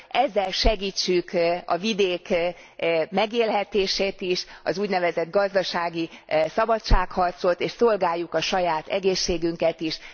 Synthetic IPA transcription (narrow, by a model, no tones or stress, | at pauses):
ɛzːɛlʃɛɡiːt͡ʃːykɒ̰vid̪eːk | mɛɡeːlɦɛt̪eːʃeːt̪iʃɒ̰zuːɟnɛvɛzɛd̪̚ɡɒzd̪ɒʃaːɡisɒbɒtʃaːkhɒrt̪so̞t̪eːʃso̞lɡaːjːukɒʃɒjaːt̪ɛɡeːʃːeːɡyŋkɛt̪iʃ